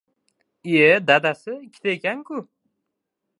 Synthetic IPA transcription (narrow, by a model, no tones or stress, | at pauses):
ed̪ad̪asɪkʲʰːɪ̥t̪ʰaekʲaŋkʰʲʊ